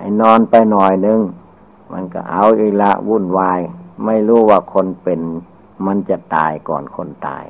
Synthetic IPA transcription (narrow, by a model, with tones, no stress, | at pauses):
ha̰˧˩jnɔː˧˨npa˨˧jnɔː˨˧˩jnɯ˧˨ŋ | ma̰˧˥nka̰˧˩ʔa˨˧˦wʔiː˧˩la˧˥ʔwu˧˥˨nwaː˧jma˧˥˩jluː˧˥˩waː˧kʰo˧˨npe˨n | ma˧˥˨nt͡ɕa˧t̪a̰ː˨˩jkɔ̰ː˨˩nkʰo˧˥˨nt̪a̰ː˨˩j